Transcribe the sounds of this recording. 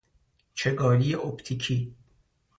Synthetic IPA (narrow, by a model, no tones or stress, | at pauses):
t͡ʃʰeɡɒːlijeʔopt̪ʰikʰiː